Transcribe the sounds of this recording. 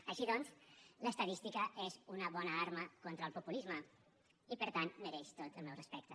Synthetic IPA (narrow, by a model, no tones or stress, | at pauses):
əʃiðɔnzləst̪əðist̪ikəezunəβɔnəaɾməkont̪ɾəlˠpupulizmə | ipəɾt̪anməɾɛʃt̪ot̪əlˠmɛwrəspɛk̚t̪ə